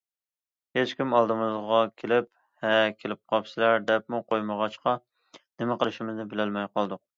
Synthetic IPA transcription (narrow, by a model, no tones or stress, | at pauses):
het͡ʃkʲimɑlˠd̪ɨmɨzʁɑkʲʰelɪp̚ | hɛkʲʰelɪp̚qʰɑpsɪlæɾd̪ɛp̚muqʰojməʁɑt͡ʃqɑ | nɪmɪqəlˠɨʃɪmɪznɪbɪlɪlmɛjqɑlˠd̪ʊq̚